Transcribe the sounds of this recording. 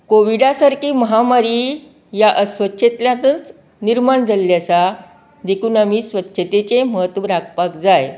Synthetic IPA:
koʋiɖasaɾkiːməɦamaɾiː | jaʔəsʋətːɕʰət̪ljãt̪ənt͡s | niɾmaɳd͡zaljasa | d̪ekʰuːnamiːsʋətːɕʰət̪et͡sẽməɦət̪ʋəɾak̚pakd͡zaj

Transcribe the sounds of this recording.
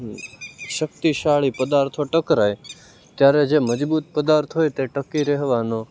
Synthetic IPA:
ʃək̚t̪iɕaːɭipəd̪aɾt̪ʰoʈəkɾaːj | t̪jaːɾed͡ʒeməd͡ʒbuːt̪̚pəd̪aːɾt̪ʰɦoːjt̪eʈəkːiɾeɦʋano

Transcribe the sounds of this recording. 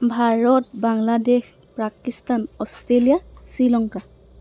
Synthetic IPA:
bʱaɹɔt̚baŋladex | pɹakistanɔstɹelijasilɔŋka

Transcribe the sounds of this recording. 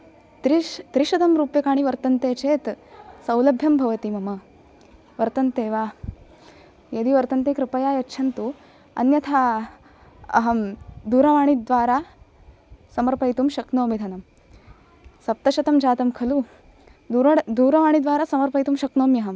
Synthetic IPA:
t̪ɾit̪ɾiʃɐd̪ɐmɾuːpjɐkaːɳ̃iʋɐɾt̪ɐnt̪eːt͡ʃeːt̪sɐwlɐbʱjɐmbʱɐʋɐt̪imɐmɐ | ʋɐɾt̪ɐnt̪eːʋaː | jɐd̪iʋɐɾt̪ɐnt̪eːkɾɪpɐjaːjɐtːʃʰɐnt̪u | ɐ̰njɐt̪ʰaː | ɐ̰ɦɐmd̪uːɾɐʋaːɳ̃id̪ʋaːɾaː | sɐmɐɾpɐjt̪umʃɐknoːmid̪ʱɐnɐm | sɐp̚t̪ɐʃɐt̪ɐmd͡ʒaːt̪ɐmkʰɐlu | d̪uːɾɐʋaːɳ̃id̪ʋaːɾaːsɐmɐɾpɐjt̪umʃɐknoːmjɐɦɐm

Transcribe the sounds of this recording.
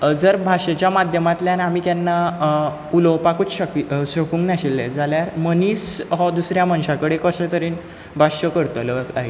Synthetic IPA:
d͡zəɾbʱaɕat͡ɕjamad̪ʱjəmat̪ljanamiːk̪janːa | ulɔpakut͡sɕəkiɕəkũːŋɡnaɕilːḛd͡zaljaɾməniːsɦɔd̪usɾjamənɕakəɽekəsə̃t̪əɾiːn | bʱaɕəkəɾt̪oləkaɦe

